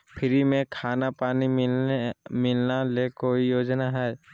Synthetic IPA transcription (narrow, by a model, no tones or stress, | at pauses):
pʰɪɾimẽkʰaːnapaːniɪ | mɪlnalekoːijoːd͡ʒnaɦɛː